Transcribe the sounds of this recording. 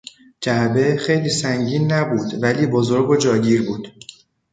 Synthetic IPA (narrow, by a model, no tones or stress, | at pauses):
d͡ʒæbe̞xe̞jliːsæŋɟiːnːæbuːd̪væliːbozoɾɡod͡ʒɒːɟiːɾbuːd̪̥